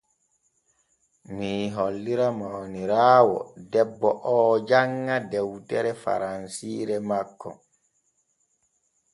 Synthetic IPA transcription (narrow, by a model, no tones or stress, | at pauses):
miːɦɔlːiɾamawniɾaːwɔ̰dɛbːɔʔɔːd͡ʒaŋːadɛwtɛɾɛfa̰ɾansiːɾɛmakːɔ̰